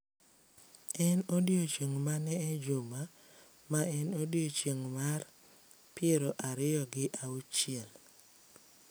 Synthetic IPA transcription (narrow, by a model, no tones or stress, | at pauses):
ɛnodjot͡ʃjeŋmanɛːd͡ʒoma | maɛnodiot͡ʃjeŋmar | pɪeɾoʔaɾɪjɔɡɪʔaut͡ʃɪɛl